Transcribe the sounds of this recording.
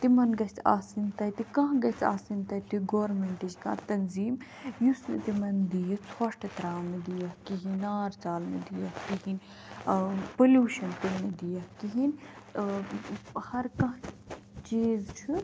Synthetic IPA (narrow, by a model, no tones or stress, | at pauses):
t̪imɐnɡɐt͡sʰa̰ːsint̪ɐjt̪ikɐ̃ɦɡɐt͡sʰa̰ːsint̪ɐt̪iɡoːɾmeɳʈid͡ʒkã̰ːt̪ɐnziːm | jusnɐ̰t̪imɐnd̪ijɐt͡sʰwɐʂʈɐt̪ɾaːmed̪ijɐkiɦinaːɾt͡saːlmḛd̪ijɐhkiɦinʲ | poljuːʃɐnpuɽned̪ijɐhkiɦin | hɐɾkɐ̃ɦ | t͡ʃiːzt͡ʃʰu